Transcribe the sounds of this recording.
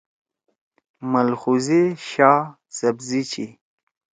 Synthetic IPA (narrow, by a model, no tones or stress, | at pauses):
mɐlxuziɕaː | sɐbzit͡ɕʰi